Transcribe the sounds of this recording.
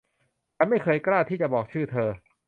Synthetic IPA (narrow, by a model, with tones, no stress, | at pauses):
t͡ɕa˧nma˥˩jkʰɤː˧jklaː˥˩t̪ʰiː˥˩t͡ɕa˨˩bɔː˨˩k̚t͡ɕʰɯː˥˩t̪ʰɤː˧